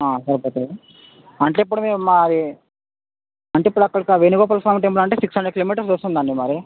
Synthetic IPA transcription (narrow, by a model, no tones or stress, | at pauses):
aːsɐɾɐpoːt̪e | ɐɳʈeːipːuɽumeːmad̪i | ɐɳʈeipːuɽuɐkːɐɽikɐʋenuɡɔːpɐlpʰaːɾmʈ̬ɐmp̬lɐɳʈeːsiksɐɳɖɐɽkiloːmiːʈɐɾsd͡ʒost̪und̪ɐɳɖimaːɾi